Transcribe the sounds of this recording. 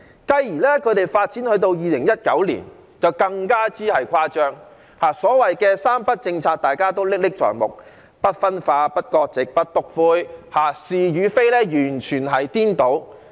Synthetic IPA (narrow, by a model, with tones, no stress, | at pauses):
kɐ˧jjiː˨˩lɛː˥kʰɵ˨˧ɥt̪e˨jfaː˧t̚t͡si˨˥nhɵ˨˧t̪o˧wjiː˨lɪ˨˩ŋjɐ˥t̚kɐ̰˨˥wlḭː˨˩n | t͡sɐ˨wkɐ˧ŋkaː˥t͡siː˥hɐ˨jkʷʰaː˥t͡ʃœː˥ŋ | haː˨˩sɔː˨˥wɐ˨jkɛː˧saː˥mpɐ˥t̚t͡sɪ˧ŋt͡sʰaː˧k̚t̪aː˨˩jkaː˥t̪o˥wlɪ˥k̚lɪ˥k̚t͡ʃɔ̰ː˨˩ŋmʊ̰˨k̚ | pɐ˥t̚fɐ˥nfaː˧pɐ˥t̚kɔː˧k̚t͡sɪ˨k̚pɐ˥t̚t̪ʊ˨k̚fuː˧jhaː˨siː˨jyː˨˧fe˥jlɛː˥jyː˨˩nt͡ʃʰyː˨˩nɦɐ˨jt̪iː˥nt̪o˨˥w